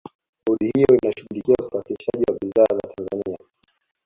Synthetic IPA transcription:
huɗihijɔinaʃuɓulikiausafiliʃaʄiwaɓizaza̰tʰanzania

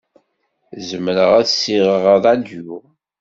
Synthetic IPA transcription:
zəmɾəʁæðsiʁəʁəðˤæd̪ju

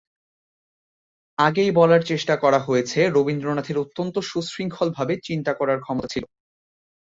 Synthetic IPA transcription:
aɡejbɔlaɾt͡ɕeʃʈakɔɾaɦojet͡ɕʰeɾobind̪ɾonat̪ʰeɾot̪ːont̪oʃusɾiŋkʰɔlbʱabet͡ɕint̪akɔɾaɾkʰɔmot̪at͡ɕʰilo

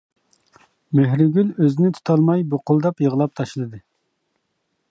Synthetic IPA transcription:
meɦɾɪɡʲyløzɪnɪt̪ʰu̥t̪ʰɑlˠmɑjboqʊlˠd̪ɑpjəʁəlˠɑp̚t̪ʰɑʃlˠɨd̪ɨ

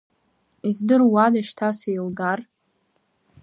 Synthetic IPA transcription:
izdɨrwadaʃtʰasejlɡar

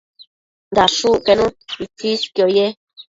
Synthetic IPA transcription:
nd̪aʂuʔkenũɾit͡siskjoje

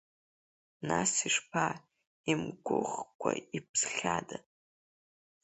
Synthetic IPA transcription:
nasiʂpʰa | imɡʷʊʁkʷʰaipʰsχʲada

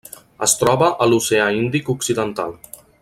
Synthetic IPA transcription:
əst̪ɾɔβəʔəluseaind̪ikuksiðənt̪a̰lˠ

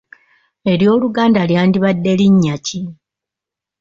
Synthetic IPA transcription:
e̞ɾjo̞ːluɡaːndaljaːndiβadːe̞liɲːaci

